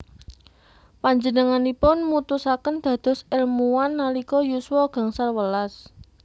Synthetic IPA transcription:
paɲd͡ʒənəŋanipʊnmut̪usakənd̪̥a̤d̪̥ɔ̤sɛlmuwanːalikɔjuswɔɡ̥a̤ŋsarwəlas

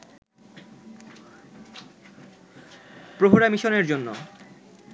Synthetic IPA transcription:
pɾoɦoɾamiʃoneɾd͡ʑonːo̰

